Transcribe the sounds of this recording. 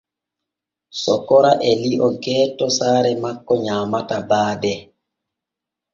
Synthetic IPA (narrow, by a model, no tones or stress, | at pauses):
sɔkɔɾaʔɛliʔɔnkɛːtɔsaːɾɛmakːɔɲaːmatabaːdɛ